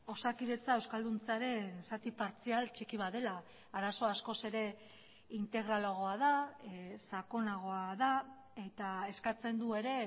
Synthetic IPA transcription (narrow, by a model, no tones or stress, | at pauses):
o̞sakiðe̞t͡sae̞wskald̪unt͡saɾe̞nsat̪ipaɾt͡sialt͡ʃikiβaðe̞laː | ɾaso̞asko̞se̞ɾe̞ | int̪e̞ɣ̞ɾalaɣ̞o̞aðasako̞naɣ̞o̞aða | e̞t̪ae̞skat͡se̞nd̪ue̞ɾe̞